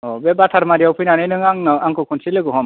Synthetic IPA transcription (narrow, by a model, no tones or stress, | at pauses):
ɔbɛbat̪ʰaɾmaɾijawpʰɯjnanɯjnɯŋaŋaŋkɔkʰunsilɯkɔɦɔm